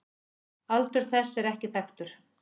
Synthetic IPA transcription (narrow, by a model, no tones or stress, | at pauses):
alt̪ʏɾ̥θɛsːɛɾɛhcɪθaxt̪ʏɾ̥